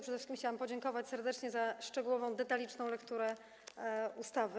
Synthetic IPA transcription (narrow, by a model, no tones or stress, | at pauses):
pʂɛd̪ɛfʂɘ̥kʲimxt͡ɕawampɔd͡ʑɛŋkɔvat͡ɕʲsɛɾd̪ɛt͡ʂɲɛzaʂt͡ʂɛɡuwɔvɔ̃w̃d̪ɛt̪alʲit͡ʂnɔ̃w̃lɛkt̪uɾɛ | ust̪avɘ